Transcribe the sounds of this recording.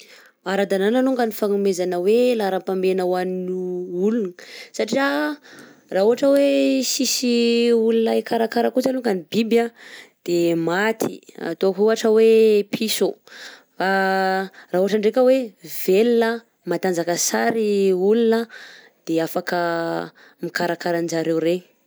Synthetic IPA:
aɾad̪ananaluŋɡanifaŋumezanəwelaɾapambenəwaninuulunəsaʈ͡ʂia | raːuɦaʈ͡ʂəwesisiulunaekaɾakaɾəkuzaluŋɡanibibjad̪̥emat̪ʰḭa̰t̪oakuɦaʈ͡ʂəwepʰisu | fa | raɦuɦaʈ͡ʂaɳɖ͡ʐekəwevelinə | mat̪and͡zakəsaɾiulunə | d̪̥eafakə | mikaɾakaɾanizaɾewɾe

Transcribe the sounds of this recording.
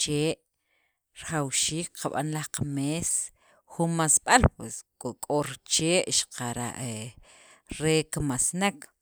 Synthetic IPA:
t͡ʃeːʔ | ɾχawʃiːk̚qʰaɓa̰nlahqameːs | xunmasɓalpweskʼokʼoɾt͡ʃeːʔʃḁqaɾa̰ʔe | ɾekamasnak

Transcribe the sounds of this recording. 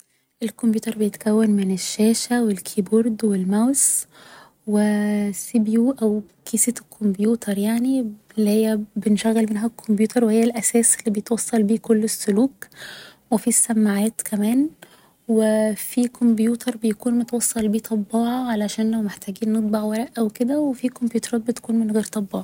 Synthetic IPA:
ʔelkombjuːt̪ɑɾˤbejet̪kæwːænmɪnɪʃːæːʃæwelkʰiːboɾˤd̪welmæws | wesibjuːʔæw | kiːsit̪kʰːombjuːt̪ʰɑɾˤjaʕnilːihejːæbenʃæɣːælmenɦækʰːombjuːt̪ʰɑɾˤwehejːælʔæsæːselːiːbejet̪wɑsˤːɑlbiːkolːɪsːʊluːkwefisːæmːaʕæːt̪kʰæmæːn | wefikʰombjuːt̪ʰɑɾˤbejækuːnmot̪wɑsˤːɑlbiːt̪ˤʰɑbːɑːʕɑʕalæʃæːnlæwmeħt̪æːɡiːnːet̪̚ˤbɑʕwæɾˤæʔʔæweked̪æwefikombjuːt̪ɑɾˤɑːt̪̚bet̪æ̥kuːnmenɣeːɾt̪ˤɑbːɑːʕɑ

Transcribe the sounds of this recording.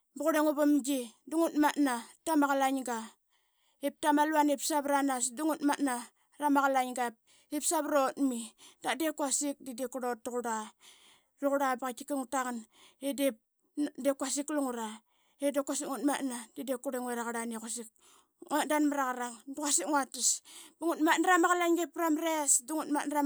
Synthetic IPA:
buɣuɾeŋuβamd͡ʒiduŋutmatnatamaɣalaɲɡa | ip̚tamaluanipsaβɾanasduŋutmatna | ɾamaɣalaɲɡap̚ | ip̚saβɾotmidadekasik̚didekuɾotːuɣuɾa | ruɣuɾabaɣakikiŋutakanedep̚ | dekuasikluŋuɾa | edekwasiŋutmatnadidekuɾeŋweɾaɣaɾaniekasik̚ | ŋadanmaɾaɣaɾaŋdukasikŋatisbuŋutmatnaɾamaɣalaɲɡepːɾamɾesduŋutmatnara

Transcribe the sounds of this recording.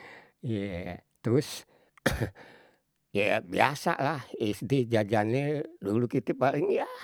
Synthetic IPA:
iat̪ɾʊs | jabḭasa̰lahisdid͡ʒad͡ʒanedulukit̪ɛpaliŋja

